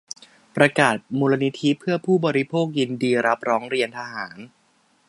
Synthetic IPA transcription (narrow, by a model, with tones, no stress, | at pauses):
pɾa˧kaː˨˩t̪̚muː˧la˧ni˦˥t̪ʰi˦˥pʰɯ˥˩ɐpʰuː˥˩bɔː˧ɾi˦˥pʰoː˥˩k̚ji˧ndiː˧ɾa˦˥p̚ɾɔː˦˥ŋɾi˧ənt̪ʰaː˧ɦaː˩˦n